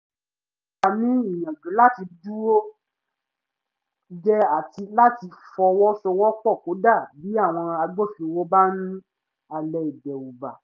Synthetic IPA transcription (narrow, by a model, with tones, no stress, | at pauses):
a˨nĩ˨˦i˦˨j̃ã˨d͡ʒũ˨˦la˦ti˧du˦ɾo˦ | d͡ʒɛ˦a˦˨ti˧la˦ti˧fɔ˧wɔ˦sɔ˧wɔ˦k͡pɔ˦˨ko˨˦da˦˨bi˨˦a˦˨w̃ɔ̃˧a˧ɡ͡bo˦˨ʃu˧wo˦ba˦nũ˦ | a˧˨lɛ˧i˨dɛ˨u˨ba˨